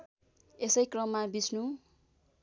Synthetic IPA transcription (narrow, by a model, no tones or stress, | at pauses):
esʌjkrʌmːabisnu